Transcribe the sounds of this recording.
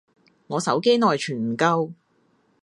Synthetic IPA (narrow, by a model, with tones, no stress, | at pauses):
ŋɔː˨˧sɐ̰˨˥wke˥jnɔː˨jt͡ʃʰyː˨˩nm̩˨˩kɐ˧w